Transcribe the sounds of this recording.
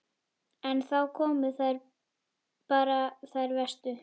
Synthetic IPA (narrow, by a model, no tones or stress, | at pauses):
ɛnθawkʰɔːmʏθajɾ | paːɾaθajɾvɛst̪ʏ